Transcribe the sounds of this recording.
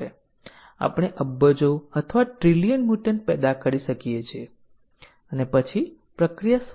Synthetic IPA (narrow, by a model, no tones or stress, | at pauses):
e | a̰pəɽ̃eʔəbːəd͡ʒoət̪ʰəʋaʈɾilijənmuʈənpɛd̪akəɾiʃəkijet͡ʃʰie | ənepət͡ʃʰi | pɾəkɾijas